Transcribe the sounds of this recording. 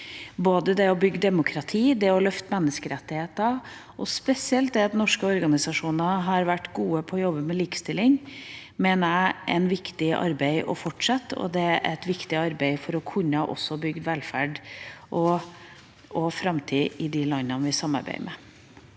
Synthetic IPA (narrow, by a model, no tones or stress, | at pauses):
boːd̪əd̪ɛɔbʏɡːəd̪ɛmʊkʰɾɑt̪ʰiːd̪ɛɔlœft̪mɛnːəskəɾɛt̪ːɪheːt̪ɑ | ʔɔspɛsɪɛlt̪̚d̪ɛɑt̪nɔʂkəɔɾɡɑnɪsɑʂuːnɑɦɑɾʋæʈːɡuːəpʰɔːjɔbːəmɛliːkə̥st̪ɪlːɪŋ | meːnəæʔɛ̰ɪnʋɪkt̪ɪʔɑ̰ɾbæɪʔɔ̰fɔʈʂɑt̪ːɔ̰d̪ɛæʔæt̪ʋɪkt̪ɪɑɾbæɪfɔɾɔkʰʉnːəʔɔ̰sːɔbʏɡd̪ʋɛlfæɖʔɔ | ɔfɾɑmt̪ʰiːɪd̪ɪlɑnːɑnʋɪsɑmːɑ̰ɾbæ̰ɪmʔɛ̰